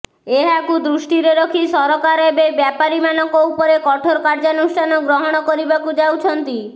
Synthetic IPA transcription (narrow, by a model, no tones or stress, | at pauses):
eɦakud̪ɾuʃʈiɾeɾɔkʰisɔɾɔkaɾebebjapaɾimanɔkɔupɔɾekɔʈʰoɾɔkaɾd͡ʒanusʈʰanɔɡɾɔɦɔɽ̃ɔkɔɾibakud͡ʒawt͡ʃʰɔnt̪i